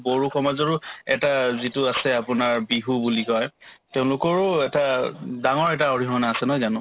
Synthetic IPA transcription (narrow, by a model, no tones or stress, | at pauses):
boɹuxɔmazɔɹʊɛtazitʊasɛapʊnaɹbiɦubulikɔjteʊ̃lʊkɔɹʊɛtadaŋɔɹɛtaɔɹiɦɔnaːsɛnɔɦɔjzanʊ̃